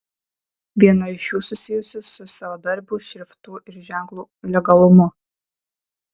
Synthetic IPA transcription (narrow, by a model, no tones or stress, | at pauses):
ʋʲiɛnɐɪʃuːsʊsʲɪjʊsʲɪsʊsɐʋod̪ɐɾʲbʲuʃʲɾʲɪft̪uʔɪɾʒʲæˑŋklˠuː | lʲɛɡɐlˠʊmʊ